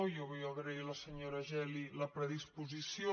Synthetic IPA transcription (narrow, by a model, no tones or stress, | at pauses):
joβɛjaβɾɛilɐsəɲoɾaʒɛliləpɾɛðispuzisjo